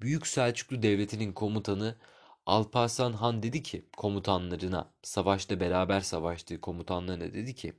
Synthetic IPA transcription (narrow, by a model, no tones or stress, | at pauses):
byjycʲsælʲt͡ʃʰy̥kʲlʲˠyd̪ɛvlʲe̞t̪ʰininkʰo̞mut̪ʰanɯ | alˠpʰasanɦand̪e̞d̪icʰɪkʰo̞mut̪ʰanlˠaɾɯna̰savaʃlˠabe̞ɾaːbæɾsavaʃlˠɯːkʰo̞mut̪ʰanlˠaɾɯna̰d̪e̞d̪icʰɪ̰